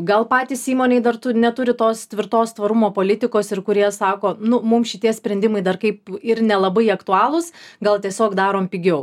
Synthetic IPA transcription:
ɡɐlˠpɑːt̪ʲiːsiːmoːnʲeɪd̪ɐrt̪ʊnʲɛt̪ʊɾʲɪt̪oːst̪ʲʋʲɪɾt̪oːst̪ʋɐɾʊmoːpoːlʲɪt̪ʲɪkoːsɪɾkʊɾʲiɛsɑːkoːnʊmʊmʃʲɪt̪ʲiɛsʲpʲɾʲɛnʲd̪ʲɪmɐɪd̪ɐrkɐɪpɪɾnʲɛlˠɐbɐɪɐkt̪ʊɑːlˠʊsɡɐlˠt̪ʲiɛsʲoːkd̪ɑːɾoːmpʲɪɡʲɛʊ

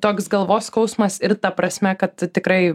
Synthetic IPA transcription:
t̪oːksɡɐlˠʋoːskɐʊsmɐsɪrt̪ɐpɾɐsʲmʲɛkɐt̪t̪ʲɪkɾɐɪ

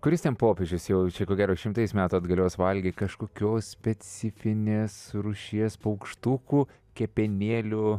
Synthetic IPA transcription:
kʊɾʲɪst̪ʲɛnpoːpʲeʒʲɪsjɛʊt͡ʃʲɛkoːɡʲæːɾoːʃʲɪmt̪ɐɪsmʲæːt̪uːɐd̪ɡɐlʲoːsʋɐlʲɡʲɪːtʲkɐʃkoːkʲoːssʲpʲɛt͡sʲɪfʲɪnʲeːsɾuʊʃʲiɛspɐʊkʃt̪ukuː | kʲɛpʲɛnʲeːlʲʊ

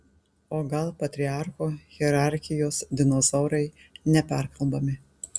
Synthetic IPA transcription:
oːɡɐlˠpɐt̪ʲɾʲɪɑˑɾxoːɣʲɛɾɑˑɾʲxʲɪjoːsd̪ʲɪnozɔːɾɐɪnʲɛpʲæɾkɐlˠbɐmʲɪ

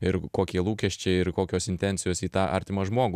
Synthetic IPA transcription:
ɪɾkoːkʲiɛlˠuːkʲɛʃʲt͡ʃʲɛɪɪɾkoːkʲoːsɪnʲt̪ʲɛnʲtsʲɪjoːsiːt̪ɑːʔɑ̰ɾʲt̪ʲɪmɐʒmoːɡʊ

